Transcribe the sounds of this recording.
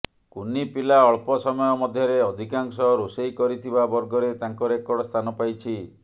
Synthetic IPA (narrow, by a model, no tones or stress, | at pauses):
kunipilaɔɭpɔsɔmɔjɔmɔd̪ʱjɔɾeɔd̪ʱikaŋsɔɾusejkɔɾit̪ʰibabɔɾɡɔɾet̪aŋkɔɾekɔɽɔst̪ʰanɔpajt͡ʃʰi